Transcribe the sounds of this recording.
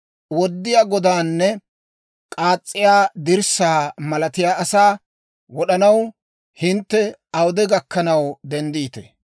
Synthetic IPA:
wɔd̪ːɪjaːɡɔd̪aːnːɛ | kʼaːt͡sʼːɪjaːd̪ɪɾsaːmɐlɐt̪ɪjaːɐsaː | wɔɗɐnɐw | hɪnt̪ːɛɐwd̪ɛɡɐkːɐnɐwd̪ɛnd̪iːt̪ɛ

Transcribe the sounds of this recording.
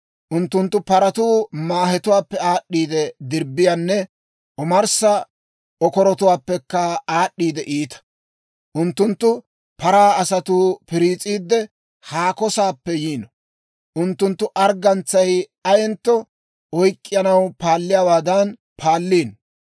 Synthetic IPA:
ʔʊnt̪ːʊnt̪ːʊpɐɾɐt̪uːmaːɦɛt̪ʊwaːpːɛaːɗːiːd̪ɛd̪ɪɾbːɪjɐnːɛ | ʔɔmɐɾsɐ | ɔkɔɾɔt̪ʊwaːpːɛkːɐaːɗːiːd̪ɛʔiːt̪ɐ̥ | ʔʊnt̪ːʊnt̪ːʊ | pɐɾaːɐsɐt̪uːpɪɾiːt͡sʼiːd̪ːɛ | haːkɔsaːpːɛjiːnɔ | ʔʊnt̪ːʊnt̪ːʊʔɐɾɡɐnt͡sːɐj | ɐjɛnt̪ːɔ | ɔjkʼːɪjɐnɐwpaːlːɪjaːwaːd̪ɐn | pʰaːlːiːn

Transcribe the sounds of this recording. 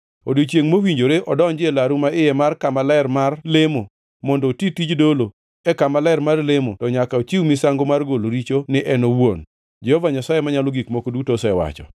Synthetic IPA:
o̰dit͡ʃjeŋmowiɲd͡ʒoɾeʔɔdɔɲd͡ʒɪelaɾumaɪjɛmarkamalɛrmarlemo | mɔndɔtitid͡ʒdolo | ɛkamalɛɾmarlɪmotɔɲakaot͡ʃiwmɪsaŋɡomarɡoloɾit͡ʃonɪʔɛnowon | d͡ʒɛhɔvaɲasajemaɲalɔɡikmokodutosɛɛwa̰t͡ʃɔ̰

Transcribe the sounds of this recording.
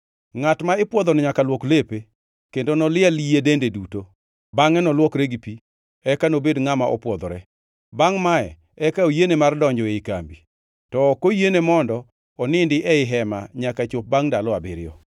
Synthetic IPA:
ŋatmaɪpwɔd̪onɪɲakalwɔklepe | kendonɔlɪalijedendeduto | baŋɛnɔlwɔkɾeɡipi | ɛkanobedŋamaʔɔ̰pwɔd̪ɔɾɛ | baŋmaɛ̰ | ɛkaojenemardɔɲd͡ʒɔeika̰mbi | tɔːkojenemɔndɔː | nɪndɪʔɛɪɦɛma̰ɲakat͡ʃop̚baŋdalɔabɪɾɪ̰ɔ̰

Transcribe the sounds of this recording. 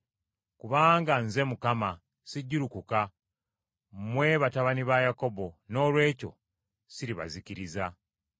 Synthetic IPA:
kuβaːŋɡanze̞mukama | siɟːiɾukuka | mwe̞βataβaniβajako̞bo̞no̞ːlwe̞ːco̞̰ | siɾiβa̰ziciɾiza

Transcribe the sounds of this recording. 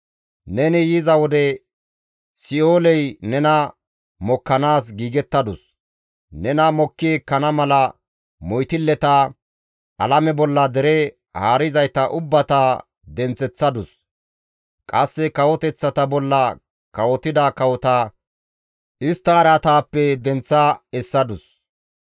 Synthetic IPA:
nɛnɪjɪzɐwɔd̪ɛ | sɪoːlɛjnɛnɐ | mɔkːɐnaːsɡiːɡɛt̪ːɐd̪ʊs | nɛnɐmɔkːɪeːkːɐnɐmɐlɐ | mɔjt̪ɪlːɛt̪ɐ | ʔɐ̰lɐmɛbɔlːɐd̪ɛɾɛ | haːɾɪzɐjt̪ɐʔʊbːɐt̪a | d̪ɛnt͡sːɛt͡sːɐd̪ʊs | kʼɐsːɛkɐwɔt̪ɛt͡sːɐt̪ɐbɔlːɐ | kɐwɔt̪ɪd̪ɐkɐwɔt̪ɐ | ʔɪst̪ːɐːɾɐt̪aːpːɛd̪ɛnt͡sːɐɛsːɐd̪ʊs

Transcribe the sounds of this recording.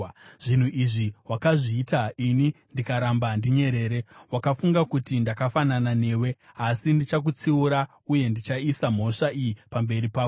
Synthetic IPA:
ʐ̥in̤uʔiʐiwakaʐiːtainindikaɾambandiɲe̞ɾe̞ːɾewakafuŋɡakutindakafananane̞ːwe̞ | asindit͡ʃak̬ut͡siuɾa | uje̞ndit͡ʃaisam̤o̞ʂaʔijipambe̞ɾipaːko

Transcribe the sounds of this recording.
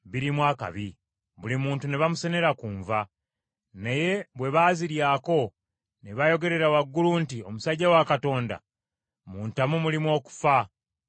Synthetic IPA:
βiɾimwaːka̰βi | βulimuːntune̞βamuse̞ne̞ɾakuːɱva | naje̞βwe̞βaːziɾjaːko̞ | neβajo̞ɡe̞ɾe̞ɾawaɡːuluntio̞musaɟːawakato̞ːnda̰ | muːntamumulimwo̞ːku̥fa

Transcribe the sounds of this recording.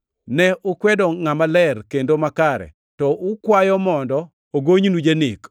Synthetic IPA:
nɛʔʊkwɛdɔŋamalɛrkendomakaɾɛ̰ | tɔʔʊkwajɔmɔndɔ | oɡoɲnud͡ʒenɪk

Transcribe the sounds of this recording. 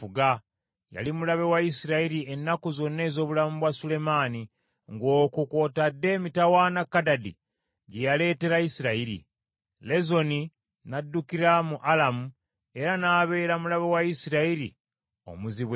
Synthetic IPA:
uɡa | ja̰limulaβe̞waisiɾaiɾie̞nːakuzo̞nːe̞ːzo̞ːβulamuβwasule̞maːni | ŋɡo̞ːkukwo̞tadːe̞ːmitawanakːadadḭ | ɟe̞jale̞ːte̞ɾaisiɾaiɾḭ | le̞zo̞ni | nadːukiɾamuʔalamu | e̞ɾanaːβe̞ːɾamulaβewaisiɾaiɾḭ | o̞̰muziβw

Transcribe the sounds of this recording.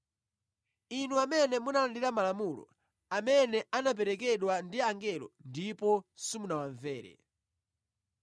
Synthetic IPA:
inuamɛnɛmunalandiɾamalamulɔ̰ | amɛnɛʔanap̬ɛɾɛkɛɗwandiaŋɡɛlɔ̰ndipɔsimunawaɱvɛːɾɛ̰

